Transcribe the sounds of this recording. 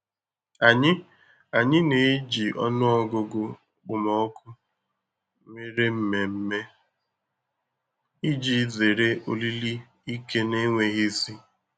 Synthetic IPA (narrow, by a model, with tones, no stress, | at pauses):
a˨ɲɪ˦ | a˨ɲɪ˦ne˨e˦d͡ʒi˨ʔɔ̰˦nʊ˦ɔ˦ɡʊ˨ɡʊ˦ | k͡pʊ˨mɔ˨ɔ˦kʊ˦ | me˦ɾe˦m̩˦me˨m̩˦me˦ | i˦d͡ʒi˨˦ze˨ɾe˦o̰˨li˦li˦ | i˦ke˦ne˦ŋʷe˨ɣi˦si˦